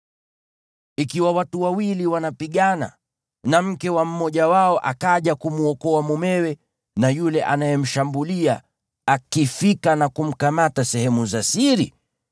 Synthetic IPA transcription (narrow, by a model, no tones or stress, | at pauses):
ikiwawatuwawiliwanapiɠana̰ | nam̩kɛwam̩mɔʄawaɔʔa̰kaʄakumuɔkɔamumɛwɛ | najulɛʔanajɛm̩ʃambulia | akifikanakum̩kamatasɛhɛmuzasiɾi